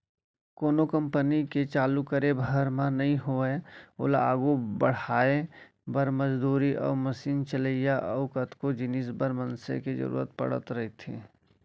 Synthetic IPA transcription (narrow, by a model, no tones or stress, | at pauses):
koːnokə̃mpəniket͡ʃaːlukəɾebʱəɦəɾmãnɐɦĩɦoeo̰ːlaːɡubəɽ̤aːe | bəɾməd͡ʒd̪uːɾiʔɔ̰ːɾməsiːnt͡ʃələijaʔɔːkət̪ʰkod͡ʒɪnisbəɾmənsḛked͡ʒə̰ɾṵːɾə̰t̪̚pə̰ɽə̰t̪ɾɐɦit̪ʰḛ̃ː